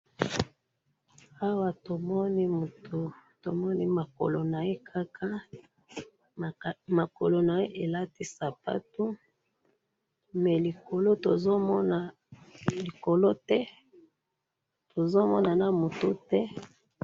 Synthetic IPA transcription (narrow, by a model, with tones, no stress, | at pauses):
a˦wa˨to˨mɔ˦ni˦mu˨tu˨to˨mɔ˦ni˦ma˨ko̰˨lo˨na˨e˦kʰa˦kʰa˦˨ | ma˨ko˨lo˨na˨e˦ʔe˨la˦ti˦sa˨pa̰˦tu˦ | mɛ˨li˨ko˨lo˦to˨zo˦mɔ˦na˨ | li˨ko˨lo˦tɛ˦ | to˨zo˦mɔ˦na˨na˨mu˨tu˦tɛ˦